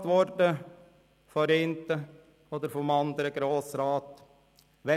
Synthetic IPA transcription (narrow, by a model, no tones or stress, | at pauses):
t̪ʋɔɾdə | fɔɾɪnt̪ə | ɔd̪əɾfɔmɑnd̪əɾəɡɾoːsɾɑːt̪ | ʋɛ